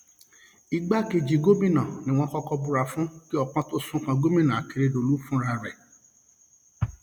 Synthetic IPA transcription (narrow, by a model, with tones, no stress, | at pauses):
i˧ɡ͡ba˦ke˧d͡ʒi˨˧ɡo˦bĩ˦˨nã˨nĩ˨w̃ɔ̃˦kɔ˦kɔ˧bu˦ɾa˧fũ˦ki˦ɔ˦k͡pã˦to˦sũ˦kã˧ɡo˦mĩ˦nã˨a˨ki˧ɾe˧˦do˧˨lu˦fũ˦ɾa˧ɾɛ˨